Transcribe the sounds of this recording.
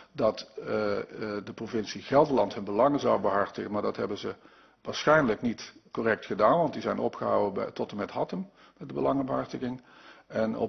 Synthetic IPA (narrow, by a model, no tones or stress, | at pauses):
dɑt | dəprovɪnsiɣɛlˠdəlɑntɦɵnbəlɑŋəzɑwbəɦɑɹtəɣənmaːɹdɑtɦɛ̰bənzə | ʋaːɹsχɛjnləknitkorɛk̚tχədaːnʋɑntdizɛjnɔ̰pχəɦɑ̰wətɔtəmɛtɦɑtəm | mɛt̚dəbəlɑŋəbəɦɑɹtəɣɪŋɛnɔ̰